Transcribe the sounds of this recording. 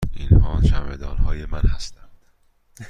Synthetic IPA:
inhɒːʃæmed̪ɒːnhɒːjemænhæst̪ænd̪̥

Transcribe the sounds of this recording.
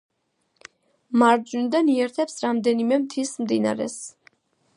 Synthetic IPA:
maɾd̪d͡ʒunid̪aniɛɾt̪ʰɛpsɾamd̪ɛnimɛmt̪ʰismd̪ina̰ɾɛ̰s

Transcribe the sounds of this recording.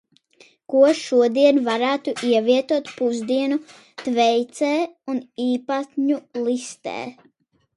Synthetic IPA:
kuɔʃuɔd̪iɛnvaɾæːt̪uʔiɛviɛt̪uɔt̪puzd̪iɛnu | t̪vɛjt̪sɛːuniːpat̪ʲɲulˠist̪ɛ̰ː

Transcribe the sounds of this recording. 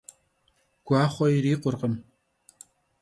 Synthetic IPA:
ɡ̥ʷɑːχʷɔjɪɾiːqʷʊrqəm

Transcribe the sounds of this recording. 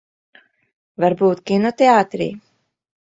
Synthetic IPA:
vaɾbuːt̪kʲinɔt̪ʲeaːt̪ɾḭː

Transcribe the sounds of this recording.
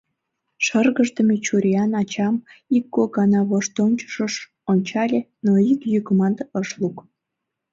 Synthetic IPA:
ʃərɣəʒd̪əmet͡ɕuɾʲiɑnɑt͡ɕɑmikːoɡɑnɑβoʃt̪onʲt͡ɕə̥ʃəʃ | onʲt͡ɕɑlʲenoikjykmɑnd̪əʃluk

